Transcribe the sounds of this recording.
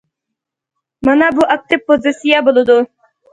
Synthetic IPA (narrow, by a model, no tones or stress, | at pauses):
mɑnɑbuʔɑk̚t̪ɪp̚pːozisijɑbolˠɨd̪ʊ